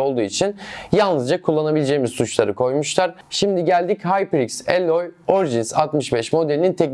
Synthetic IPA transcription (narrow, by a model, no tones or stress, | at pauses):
o̞lˠd̪uːit͡ʃʰinjalˠnɯzd͡ʒakʰulˠːanabilʲed͡ʒejmizsut͡ʃlˠaɾɯkʰo̞jmuʃlˠaɾ̥ | ʃimd̪iɟælʲd̪ichajpɾikselʲojoɾʒinsat̪mɯʃbɛʃmo̞d̪elʲinint̪ʰɛc